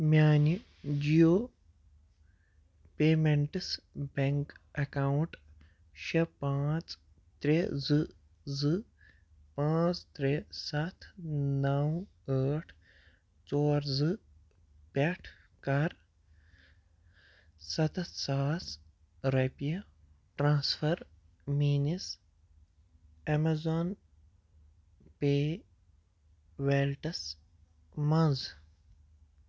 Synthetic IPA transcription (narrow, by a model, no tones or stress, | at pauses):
mjaːni | d͡ʒijoː | peːmeɳʈɨsbeŋkɐkawɳʈ | ʃepãːt͡s | t̪ɾezɨ | zɨ | pãːt͡st̪ɾesɐt̪ʰnɐw | aːʈʰ | t͡sɔːɾzɨ | pɛʈʰ | kɐɾ | sɐt̪ʰsaːs | ɾepijɐ | ʈɾãːsfʰɐɾ | miːnis | ɛmɐzaːn | peː | ʋeːlʈɐs | mɐ̃nz